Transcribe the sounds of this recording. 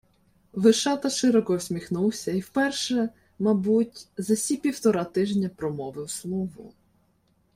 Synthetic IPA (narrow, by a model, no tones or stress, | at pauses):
ʋɪʃɑt̪ɐʃɪɾɔkɔwsʲmʲixnuwsʲɐiwpɛrʃɛ | mɐbutʲzɐsʲipʲiwt̪ɔɾɑt̪ɪʒnʲɐpɾɔmɔʋɪwslˠuɦʊ̰